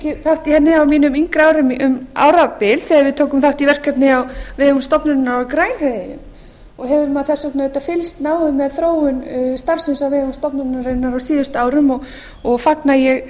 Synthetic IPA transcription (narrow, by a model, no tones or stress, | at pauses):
ɛcɪθawht̪iθhɛnːɪawmiːnʏmiŋkɾaːwɾɪmʔʏma̰ːwɾapɪlθiaɾvɪðt̪ʰoːwkʏmθawht̪ivɛr̥kːɛpnɪawvɛːɣʏmst̪ɔpnʏnaɾawkɾaːjnheðejʏ̰m | ɔɣɦɛvʏɾmaðθɛsːɔknaðɛt̪afɪlst̪naːwðʏmɛðθɾoːwʏnst̪aɾ̥sɪnsawvɛːɣʏmst̪ɔpnʏɾnaɾennaɾawsiːðʏst̪aːwɾʏmɔɣ | ɔɣfaknajɛɣ